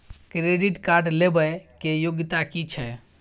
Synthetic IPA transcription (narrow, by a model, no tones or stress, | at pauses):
kɾeɖiʈkaɾɖlebəkejoɡt̪akit͡ʃʰɛ